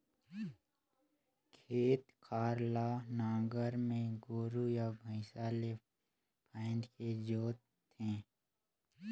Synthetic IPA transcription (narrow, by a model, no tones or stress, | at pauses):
kʰeːt̪kʰaːɾlanãːɡəɾmẽɡoːɾujabʱə̃ɪsaːle | pʰãɪnɖked͡ʒoːt̪ʰː | ẽː